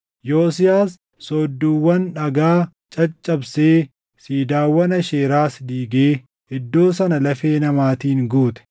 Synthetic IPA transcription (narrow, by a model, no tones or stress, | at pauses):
joːsɪjaːsː | ɔːd̪ːuːwːɐnᶑɐɡaː | t͡ʃʼɐt͡ʃʼːɐbseː | siːd̪aːwːɐnɐʃeːɾaːsd̪iːɡeː | ɪd̪ːo̞ːsɐnɐlɐfeːnɐmaːt̪iːŋɡuːt̪ɛ̥